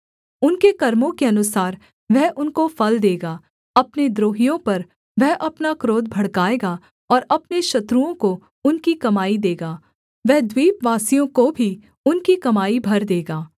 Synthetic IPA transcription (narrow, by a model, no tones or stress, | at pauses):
ʊnkekɐɾmõkeɐnʊsaːɾ | ʋɛɦʔʊnkofɐld̪eːɡaː | ɐpned̪ɾoːɦijõpɐɾ | ʋɛɦʔɐpnakɾoːd̪̚bʱɐɽkaːeːɡa | ɔːɾɐpneʃɐt̪ɾuõko | ʊnkikɐmaːid̪eːɡaː | ʋɛɦd̪wiːpʋaːsijõkobʱi | ʊnkikɐmaːibʱɐɾd̪eːɡaː